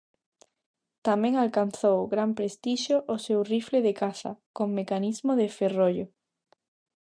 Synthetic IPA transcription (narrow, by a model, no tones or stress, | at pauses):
t̪amẽŋalkanθowɣɾampɾest̪iʃoʔːsewrifleðekaθa̰koŋmekanizmoðeferoʎo